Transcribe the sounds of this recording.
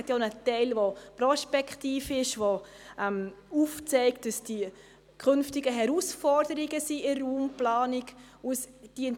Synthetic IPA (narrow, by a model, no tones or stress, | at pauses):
tjonətɛɪlvopɾɔspɛkχtiːfɪʃvo | ɛmuft͡sɛɪkt̚d̥ɑsd̥i | kʰʏnftɪɡəɦɛɾuːsfɔɾdəɾiɡəsiɪrːuːmplaːnɪɡ | usd̥in